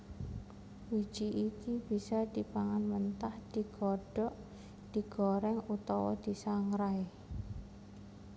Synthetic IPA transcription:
wi̥d͡ʒ̥iʔikib̥isad̪̥ipaŋanmənt̪ahd̪̥i̤ɡ̥ɔɖ̥ɔʔ | d̪̥iɡ̥ɔɾɛŋut̪ɔwɔ̰d̪̥i̤saŋɾaɪ

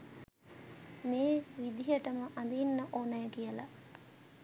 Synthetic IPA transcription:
meːʋid̪ijəʈəməʔand̪inːəʔoːnɐjəkijəla

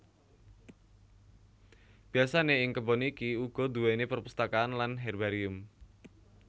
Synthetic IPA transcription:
b̥i̤asaneɪŋkəbɔnikiuɡ̥ɔ̤d̪uwenepərpust̪akaːnlanɦɛrbaɾiʊm

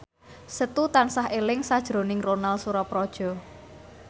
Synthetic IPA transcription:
sət̪ut̪ansaɦelɪŋsad̥ʒ̥ɾo̤nɪŋronalsuɾɔpɾɔd̥ʒ̥ɔ̤

